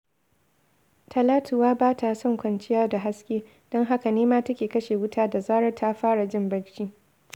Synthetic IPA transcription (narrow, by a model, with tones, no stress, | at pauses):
tʰɐ˨laː˦tʊ˨waː˦baː˦tʰa˨sɔ˦˨ŋkʷɐ˨nt͡ʃɪ˦jaː˦da˨ɦa˦skʲeː˦ | d̥ɔ˦ŋɦa˦ka˨neː˦maː˦tɐ˦kʲeː˨kɐ˦ʃeː˨wʊ˦tʰaː˦da˨zaː˦ɾɐ˦tʰa˦ɸaː˦ɽa˨d͡ʒɪ˦mbɐ˦lt͡ʃiː˦